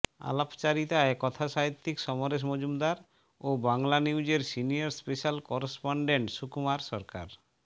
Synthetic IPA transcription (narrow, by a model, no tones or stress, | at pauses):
a̰lapt͡ɕaɾit̪aekɔt̪ʰaʃait̪ːikʃɔmoɾeʃ̬mod͡ʑumd̪aɾ | obaŋlaniwd͡ʑeɾsinijaɾspeʃalkɔɾespoɳɖeɳʈʃukumaɾʃɔɾka̰ɾ